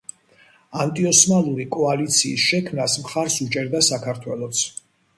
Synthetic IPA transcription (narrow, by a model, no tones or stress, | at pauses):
ant̪ʼiɔsmalˠuɾikʼɔalit̪sʰiːsʃɛkʰmnasmχaɾsut͡ʃʼɛɾd̪asakʰaɾt̪ʰwɛlˠɔt̪sʰ